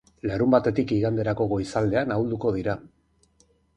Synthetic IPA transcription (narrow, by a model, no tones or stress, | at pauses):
laɾumbat̪e̞t̪ikiɣand̪e̞ɾako̞ɣo̞isald̪e̞anauld̪uko̞ð̞iɾa